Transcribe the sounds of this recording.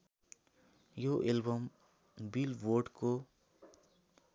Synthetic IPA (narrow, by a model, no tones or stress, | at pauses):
joʔelbəm | bilʋoɖko